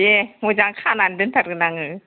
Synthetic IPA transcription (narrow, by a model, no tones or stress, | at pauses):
jeŋod͡ʒaŋkʰanandɯntʰaɾɡɯnaŋɯ